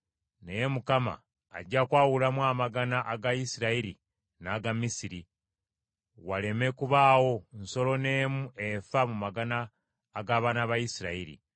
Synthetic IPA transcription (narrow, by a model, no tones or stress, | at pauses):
nejemukama̰ː | ɟːakwaːwulamwaːmaɡanaʔaɡajisiɾaiɾḭ | naːɡamisiɾi | wale̞me̞kuβaːwo̞nso̞lo̞ne̞ːmue̞famumaɡanaː | ɡaβaːnaβajisiɾaiɾḭ